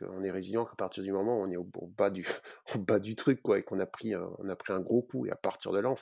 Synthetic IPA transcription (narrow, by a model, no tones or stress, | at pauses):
kə̰ɔ̃nɛʁezinɑ̃kapaʁt̪iʁd̪ymɔmɑ̃ɔ̃nɛoo̰bad̪yobad̪yt̪χykːwaekɔ̃napχiɛ̰̃ɔ̰̃napχiɛ̃ɡʁokuḛa̰paʁt̪iʁd̪əlaɔ̃